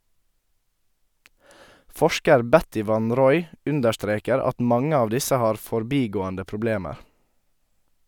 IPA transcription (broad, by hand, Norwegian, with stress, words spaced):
ˈfɔʃkəɾ ˈbɛtɪ ˈʋɑn ˈɾɔʏ ˈʉndəɾˌstɾeːkəɾ ˈɑt ˈmɑŋə ˈɑːʋ ˈdɪsə ˈhɑːɾ fɔɾˈbiːɡoːəndə pɾʊˈbleːməɾ